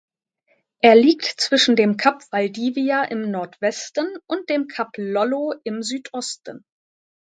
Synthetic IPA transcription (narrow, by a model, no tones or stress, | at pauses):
ʔeːɐliːktt͡sv̥ɪʃn̩deːmkʰapv̥aldiːviaʔɪmnɔɐtv̥ɛstənʔʊnt̚d̥eːmkʰaplɔloɪmzyːtʰʔɔstən̩